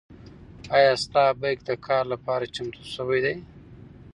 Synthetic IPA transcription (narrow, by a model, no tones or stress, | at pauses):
ɑjɑst̪ɑbajk̚d̪əkʰɑːɾlapɑɾat͡ʃamt̪ʰusəwajd̪aj